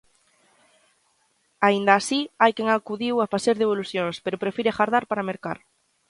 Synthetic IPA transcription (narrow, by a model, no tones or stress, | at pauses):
aind̪aːsiajkeŋakuðiwafaθeɾðeβ̞oluθjõŋspeɾopɾefiɾeɣaɾðaɾpaɾameɾka̰ɾ